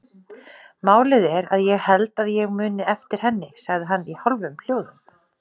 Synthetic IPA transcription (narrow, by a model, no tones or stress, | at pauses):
maːwlɪðɛɾaðjɛɣhɛlt̪aðjɛɣmʏːnɪɛft̪ɪɾ̥hɛnːɪsaɣðɪɦanːihɔlvʏml̥joːwðʏm